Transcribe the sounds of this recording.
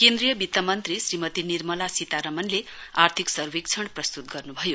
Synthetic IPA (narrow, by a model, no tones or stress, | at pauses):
kend̪rijʌbit̪ːamʌnt̪risrimʌt̪inirmʌlasit̪aɾʌmʌnleart̪ʰiksʌrwik̚t͡sʰʌɽ̃prʌst̪ut̪̚ɡʌrnubʱʌjo